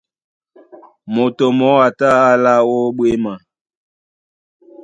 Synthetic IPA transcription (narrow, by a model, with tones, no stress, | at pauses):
mo˨to˨mɔ˨˦a˨ta˦a˦la˦wo˦ɓwe˦ma˨